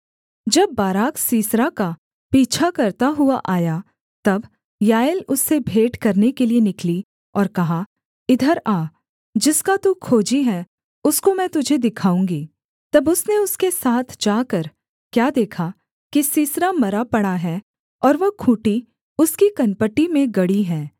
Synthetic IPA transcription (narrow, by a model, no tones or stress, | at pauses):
d͡ʒɐbːaːɾaːkʰsiːsɾaka | piːt͡ʃʰakɐɾt̪aɦʊaʔaːja | t̪ɐb | jaːjəlʊsːebʱeːʈkɐɾnekelienɪkli | ɔːɾkɐɦa | ɪd̪ʱəɾaː | d͡ʒɪskat̪ukʰoːd͡ʒiɦɛ̃ | ʊskomɛ̃ːt̪ʊd͡ʒʱed̪ɪkʰaːũːŋɡiː | t̪ɐbʊsneʊskesaːt̪ʰd͡ʒaːkɐɾ | kjaːd̪eːkʰa | kisiːsɾamɐɾapɐɽaɦɛː | ɔːɾʋɐkʰũːʈi | ʊskikɐnpəʈimẽɡɐɽiɦɛ̃ː